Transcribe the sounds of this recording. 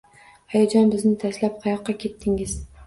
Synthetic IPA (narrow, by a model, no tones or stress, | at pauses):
ajad͡ʒɒnbɪznɪt̪ʰaslap̚qʰɑjɒqːɑkʲʰe̞t̪ʰːɪŋɪz